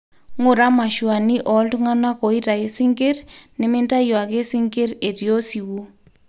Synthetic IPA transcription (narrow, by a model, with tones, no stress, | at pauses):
ŋʊ˨ɾa˦ma˨ʃwa˨ni˦ʔɔ˨˦ltu˦ŋa˦na˦ko˨i˦ta˨e˨sɪ˦ŋɡe˦rne˦mɪ˦nta˦jwa˨ke˦si˦ŋɡe˦ɾe˨ti˨o˦si˨wo˦